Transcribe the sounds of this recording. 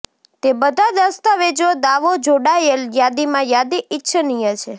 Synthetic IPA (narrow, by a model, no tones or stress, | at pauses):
t̪ebəd̪ʱad̪əst̪aʋed͡ʒod̪aʋod͡ʒoɽaeljad̪imãjad̪iɪtːʃʰənijət͡ʃʰe